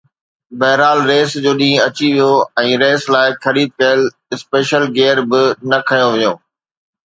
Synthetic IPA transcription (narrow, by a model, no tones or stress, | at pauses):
bɐɦɾaːlɾeːsd͡ʑoːɗĩːɐt͡ɕiʋijoɛ̃ːɾeːslaːɪxɐɾiːd̪̚kɐjəl | ɪspeːʃəlɡeːɾbɪnɐkʰɐjõʋɪjõː